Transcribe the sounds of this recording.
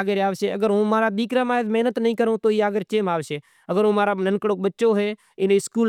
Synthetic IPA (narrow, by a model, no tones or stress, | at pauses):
ɡəɾaːʋseːəɡəɾɦõːmaːɾaːɓiːkɾaːmaːd̪məɦnət̪nəɦĩːkəɾõːt̪oːiːaːɡəɾt͡ʃeːmaːʋʃeː | əɡəɾɦõːmaːɾaːnənkɽoːɓətːʃoːɦeː | ɪneːskuːl